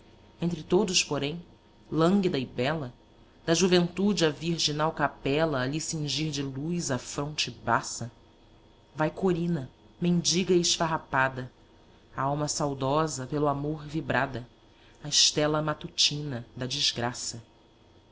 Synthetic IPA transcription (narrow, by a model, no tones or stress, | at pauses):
ẽnt̪ɾɪt̪od̪ʊʃpoɾẽj̃ | lɐ̃ŋɡid̪ɐɪbɛlɐ | d̪ɐʒuvẽnt̪ud͡ʒɪɐviɾʒinawkapɛlɐːʎisĩŋʒiɾd͡ʒɪlujzɐfɾõnt͡ʃɪbasɐ | vajkoɾĩnɐ | mẽnd͡ʒiɡɐiɪʃfaɦapad̪ɐ | aawmɐsawd̪ɔzɐpelʊamoɾvibɾad̪ɐ | ɐɪʃt̪ɛlɐmat̪ut͡ʃĩnɐd̪ɐd͡ʒizɡɾasɐ